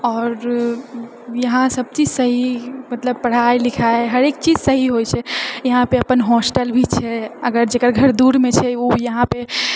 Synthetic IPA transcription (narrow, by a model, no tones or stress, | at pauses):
ɔːɾ | jəɦãsəb̚t͡ʃid͡ʒsəɦimət̪ləb̚pəɽ̤ajlikʰaeɦəɾek̚t͡ʃid͡ʒsəɦiɦojt͡ʃʰɛjəɦãpeəpənɦɔsʈəlbʱit͡ʃʰɛəɡəɾd͡ʒekəɾɡʱəɾd̪uɾmet͡ʃʰɛojəɦãpe